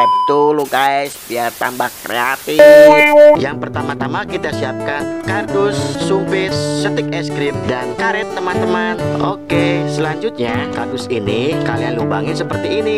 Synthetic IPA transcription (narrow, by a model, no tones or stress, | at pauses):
ʔɛp̚t̪ulukaɛsbiart̪a̰mbahkɾḛat̪ifjaŋpərt̪amat̪amakit̪asiap̚kankardʊsːufɪsːət̪ɪk̚ɛskɾɪp̚dankaɾɛt̪̚ːəmant̪əmanokesəlaɲd͡ʒʊt̪̚ɲakardʊsinikalianluba̰ŋɪnsəpərt̪iːni